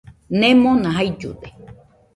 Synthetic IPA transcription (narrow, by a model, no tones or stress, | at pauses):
nẽmõnãɦaid͡ʒṵd̪e